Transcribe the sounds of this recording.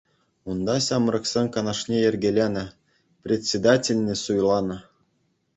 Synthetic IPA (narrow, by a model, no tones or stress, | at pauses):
und̪ɑsʲɑmrɤ̆ksʲenʲkɑnɑʂnʲeĕrʲɡʲelʲenʲɘ̆ | prʲetʲsʲed̪ɑtʲelʲnʲĕsujlˠɑnɤ̆